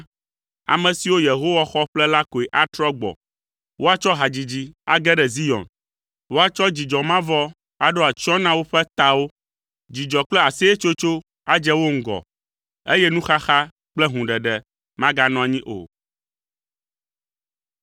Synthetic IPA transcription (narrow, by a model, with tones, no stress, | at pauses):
a̰˨mɛ̃˨si˨wo˦je˨ɦo˦wa˦xɔ˦ɸlɛ˦la˦ko˨ɛ˨ʔa˦t̪ɾɔ˦ɡ͡bɔ̰˨ | wo˦a˦t͡ʃɔ˦ɦa˨d͡ʑi˨d͡ʑi˨a̰˨ɡɛ˦ɖɛ˨zi˦jɔ̰̃˨n | wo˦a˦˨t͡ʃɔ˦d͡ʑi˨d͡ʒɔ˨mã˦vɔ˦ | a˨ɖo˦a˨t͡ʃɔ˦nã˦wo˦ɸɛ˦t̪a˨wo˦ | d͡ʑi˨d͡ʒɔ˨k͡plɛ˦a˨sɛ˦e˦t͡ʃo˦t͡ʃo˦ | a˦d͡ʒɛ˦wo˦ŋ̩˦ɡɔ̰˨ | e˦jɛ˦nũ˦xa˦xa˦ | k͡plɛ˦ɦũ˨ɖɛ˨ɖɛ˨ | mã˦ɡa˦nɔ̃˨a˨ɲĩ˦ʔo̰˨